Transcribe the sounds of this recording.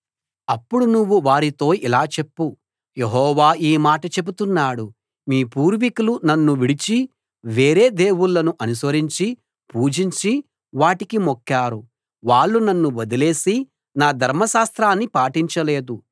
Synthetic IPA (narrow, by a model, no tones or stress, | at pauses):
ɐpːuɽunuʋːuʋaːɾit̪o̞ːilaːt͡ʃe̞pːu | je̞ɦɔːʋaːiːmaːʈɐt͡ʃe̞but̪unːaːɽu | miːpuːɾʋikulunɐnːuʋiɽit͡ʃi | ʋeːɾe̞ːd̪eːwulːɐnuʔɐnusʋɐɾiɲt͡ʃi | puːd͡ʒiɲt͡ʃi | ʋaːʈikimokːaːɾu | ʋaːɭːunɐnːuʋod̪ile̞ːsi | naːd̪ʱɐɾmɐʃaːst̪ɾaːnːipaːʈiɲt͡ʃɐle̞ːd̪u